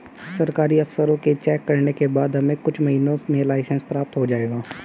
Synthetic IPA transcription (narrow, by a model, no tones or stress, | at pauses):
sɐɾkaːɾiɐfsəɾõket͡ʃɛːkːɐɾnekebaːd̪ɦɐmẽkʊt͡ʃʰmɐɦiːnõsmẽlaːɪsənspɾaːp̚t̪ɦod͡ʒaːeːɡaː